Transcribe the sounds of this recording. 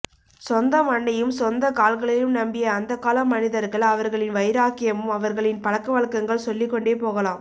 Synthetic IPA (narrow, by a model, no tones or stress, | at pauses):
sɔnd̪ɐmɐɳːɐjɯmsɔnd̪ɐkaːlɣɐɭɐjɯmnɐmbɪjɐːnd̪ɐkaːlɐmːɐnɪðɐɾɣɐɭɐʋɐɾɣɐɭɪnʋɐɪɾaːkːɪjɐmɯmɐʋɐɾɣɐɭɪnpɐɭɐkːɐʋɐɭkɐŋɡɐɭsɔlːɪkːɔɳɖeːpoːɣɐlaːm